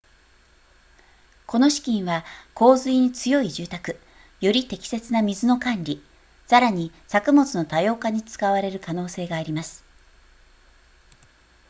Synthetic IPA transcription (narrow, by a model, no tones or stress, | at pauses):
ko̞no̞ɕi̥kʲĩɰ̃βako̞ːzɨiɲ̟it͡sɨjo̞iʑɨːt̪akɯ̟̥ | jo̞ɾʲit̪e̞kʲi̥se̞t͡sɨnamʲizɨno̞kãnɾʲi | saɾaɲ̟i | sakɯ̟mo̞t͡sɨno̞t̪ajo̞ːkaɲ̟it͡sɨ̥kaβaɾe̞ɾɯ̟kano̞ːse̞ːɡaːɾʲimasɨ̥